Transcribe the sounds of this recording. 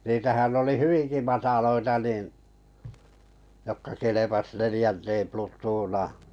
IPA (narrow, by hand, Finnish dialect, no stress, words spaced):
niːtæhæn oli hyʋiŋki mɑtɑloitɑ niˑn jokːɑ kelepɑs nelĭjænteːm plutˑuːnɑː